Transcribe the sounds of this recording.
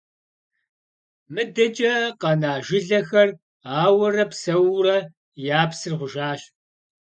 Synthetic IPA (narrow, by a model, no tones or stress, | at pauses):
mɨdɐt͡ʃʼɐqɐnaːʒɪɮɐxɐr | aːwɐrɐpsɐwrɐ | jaːpsɨrʁʷʊʒaːɕ